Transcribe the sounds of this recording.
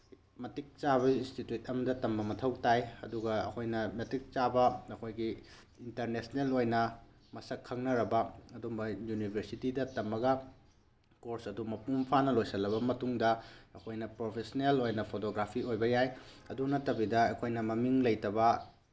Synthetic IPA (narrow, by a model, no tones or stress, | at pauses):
mɐtik̚t͡ʃaβɐinstituut̚ɐmɐdɐtɐmbɐmɐtʰɐwtajɐ̰duɡɐɐ̰kʰojnɐmɐtik̚t͡ʃabɐɐkʰojɡi | intɐɾnesnelojnɐ | mɐsɐkʰːɐŋnɐɾɐbɐɐdumbɐjunibʱeɾsitidɐtɐmːɐɡɐ | koɾsɐdumɐpumpʰanɐlojsɐlːɐβɐmɐtuŋdɐɐkʰojnɐpɾopʰesɐnelojnɐpʰotoɡɾapʰiojbɐjajɐdunɐtːɐbidɐɐkʰojnɐmɐmiŋlɐjtɐbɐ